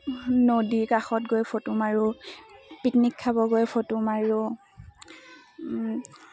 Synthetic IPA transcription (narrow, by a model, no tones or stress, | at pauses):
nodikaxɔtɡojpʰotʊmaɹʊ | pitnikʰːabɔɡojpʰotʊmaɹʊ